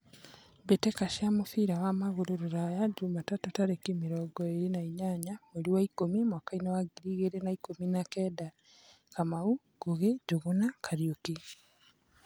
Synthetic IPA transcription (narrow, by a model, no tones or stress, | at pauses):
betekaʃiamofiːɾawamaɣoɾoɾoɾajaɟumatatutaɾekimiɾɔɡɔeɾinaiɲaɲameɾiwaikomimwaːkainawaɡiɾiɣeɾenaikominakɛːda | kamau | ɡ̥oɣeɟuɣonakʰaɾioki